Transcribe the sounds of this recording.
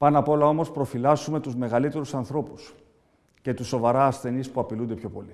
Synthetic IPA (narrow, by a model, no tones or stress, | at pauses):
pɐnɐpo̞lɐo̞mo̞spɾo̞filɐzume̞t̪uzme̞ɣɐlit̪e̞ɾusɐnθɾo̞pu̥s | ce̞t̪usːovɐɾɐːsθe̞nispuɐpilund̪e̞pço̞po̞li